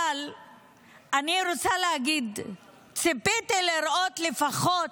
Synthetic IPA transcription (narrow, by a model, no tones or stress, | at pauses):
al | aniɾot͡saleaɡid̪ | t͡sepit̪ileɾot̪le̞faχot